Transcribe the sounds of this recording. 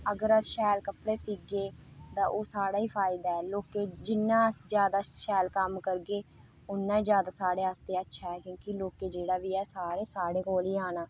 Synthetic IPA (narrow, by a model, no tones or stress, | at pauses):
əɡəɾəsʃɛːlkəpɽeːsiːɡeːt̪ãːʔoːsaːɽaːiːpʰaːɪd̪aːɛːloːkeːd͡ʒɪnːãːsd͡ʒjaːd̪aːʃɛːlkəmkəɾɡeː | ʊnːãːiːd͡ʒjaːd̪aːsaːɽeːɦast̪eːətːʃʰaːɛːkjõːkiloːkeːd͡ʒeːɽaːʋiːɛːsaːɾeːsaːɽeːkoːliːaːnaː